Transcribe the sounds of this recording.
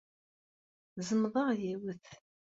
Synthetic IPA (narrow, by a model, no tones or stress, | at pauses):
zəmðˤɑʁjiwəθ